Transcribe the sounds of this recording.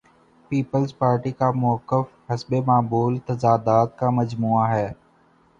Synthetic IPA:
piːpəlzpaːɾʈikamʊːəkːəfɦɐsbemaːbuːlt̪ɐzaːd̪aːt̪̚kamɐd͡ʒmuːaɦɛː

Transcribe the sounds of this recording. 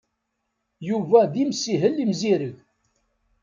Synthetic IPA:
juvæðimsiɦəlːimziɾəʝ

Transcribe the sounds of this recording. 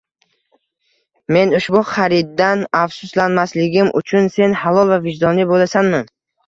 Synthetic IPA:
me̞nʊʃbʊχaɾɪd̪ːanafsʊslanmaslɪɡʲɪmʔʊ̰t͡ʃʰʊnse̞nhalˠɒlˠvavɪd͡ʒd̪ɒnɪbolasanman

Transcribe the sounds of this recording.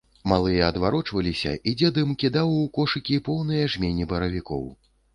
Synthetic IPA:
malˠɨjɐɐd̪vaɾɔt͡ʂvɐlʲisʲɐ̰ʔid͡zʲɛd̪ɨmkʲid̪awukɔʂɨkʲipɔwnɨjɐʐmʲenʲːibɐɾɐvʲikɔ̰w

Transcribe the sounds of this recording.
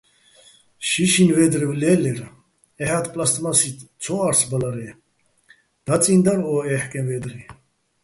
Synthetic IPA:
ʃiʃinvɛd̪ɾivlɛlɛɾ | ɛhat̪ʰpʼlast̪ʼmasit̪ʰt͡sʰɔaɾsbalaɾɛ | d̪̥at͡sʼind̪aɾɔɛħkʼɛnvɛd̪ɾi

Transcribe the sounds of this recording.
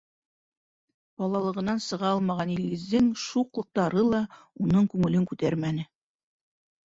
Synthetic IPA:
b̥ɑlˠɑlˠɤ̆ʁɤ̆nɑnsɤ̆ʁɑɑlˠmɑʁɑnilɡɘ̆zd̪ɘŋʃuqlˠɤ̆q̚t̪ɑɾɤlˠɑ | unɤɴkʉŋɘ̆lɘŋkʉt̪æɾmænɘ

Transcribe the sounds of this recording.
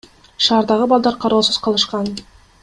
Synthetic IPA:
ʃɑːɾd̪ɑʁɯbɑlˠd̪ɑɾqʰɑɾoːsuz̥qʰɑlˠɯʃqɑn

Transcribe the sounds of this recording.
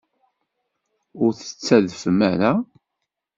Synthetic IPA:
ʊɾθə̥t͡sːæðfmæɾa

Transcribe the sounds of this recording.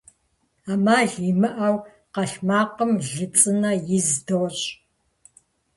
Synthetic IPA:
aːmaːɮimɨʔɐw | qɐɬmaːqəmɮɨt͡sʼɨnɐjɪzdowɕʼ

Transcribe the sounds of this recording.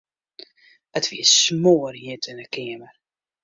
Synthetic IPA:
ətʋiəsmoːərjitʰɪnəkɪəmər

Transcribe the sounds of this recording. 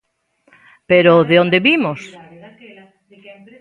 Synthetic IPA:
peɾoðeõnd̪eβimos

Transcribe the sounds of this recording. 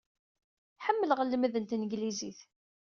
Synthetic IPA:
ħəmːəlʁəlːmðənt̪nəɡliziθ

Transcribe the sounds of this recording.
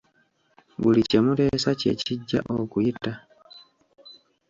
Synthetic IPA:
βulicemuɾe̞sace̞̰ciɟːa̰ʔokujita

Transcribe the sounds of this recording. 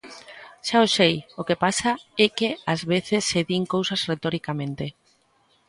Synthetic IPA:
ʃaosejokepasaɛkeazβeθesːeðiŋkowsazret̪ɔɾikamẽnt̪e

